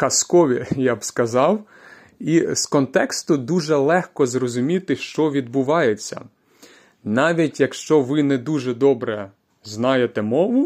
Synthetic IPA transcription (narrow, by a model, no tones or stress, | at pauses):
kɐskɔʋʲijabskɐzɑw | iskɔnt̪ɛkst̪ʊd̪uʒɛlˠɛxkɔzrɔzʊmʲit̪ɪʃt͡ʃɔʋʲid̪̚bʊʋɑjet͡sʲːɐ̰ | nɑʋʲitʲjɐkʃt͡ʃɔʋɪnɛd̪uʒɛd̪ɔbɾɛ | znɑjet̪ɛmɔʋʊ